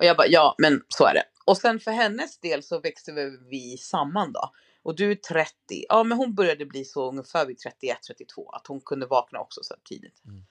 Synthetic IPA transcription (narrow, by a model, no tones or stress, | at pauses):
ʔɔjɑːɡbɑjɑːmɛnsɔæ̰ːɖɛ̰ | ɔsɛnfœɾɦɛnːəsd̪eːlsɔvɛkst̪əvɛvɪsamːand̪ɔ̰ | ʔɔd̪ɵæt̪ʰɾɛt̪ːɪ̰ʔɑːmɛnɦʊnbœɾjad̪əbliːsɔɵŋːəfæːɾvɪt̪ʰɾɛt̪ːɪɛt̪ʰːɾɛt̪ːɪt̪ʰv̥o̰ːa̰t̪hʊnkʰɵnd̪əvɑːkna̰ɔ̰ksɔ̥sɛ̰ʈʰḭːd̪ɪt̪